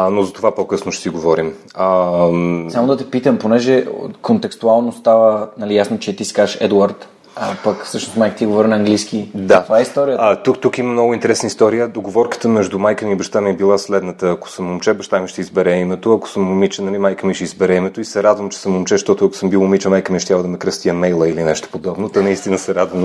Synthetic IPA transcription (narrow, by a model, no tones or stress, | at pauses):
nozɐt̪ovapokɤsnʊʃt̪ɛ̥siɡovɔɾim | ə | samod̪ɐt̪ɛpit̪əmponɛʒɛ̰kont̪ɛkst̪ualˠnost̪avənɐlijasnot͡ʃɛt̪iskaʃɛ̰d̪uaɾt̪ | ɐpɐkfsɤʃnosmajkə̥t̪iɡovɔɾinɐːŋɡlisk̟id̪at̪ovaɛist̪ɔɾijəat̪ukt̪ukiməmnɔɡʊint̪ɛɾɛsnəist̪ɔɾijəd̪oɡovɔɾkə̥t̪əmɛʒd̪ʊmajkəmibəʃt̪amiɛbilˠaslɛd̪nət̪əɐko̥səmːomt͡ʃɛbəʃt̪amiʃt̪ɛizbɛɾɛimɛt̪oɐko̥səmːomit͡ʃənɐlimajkəmiʃiizbɛɾɛimɛt̪oisɛɾad̪vəmt͡ʃɛ̥səmomt͡ʃɛʃt̪ɔt̪ʊɐko̥səmbilˠomit͡ʃəmajkəmɛʃt̪javəd̪ɐmɛkɾəst̪iəmɛjlˠəilinɛʃt̪o̥pod̪ɔbnot̪ɐnɐist̪inəsɛɾad̪vəm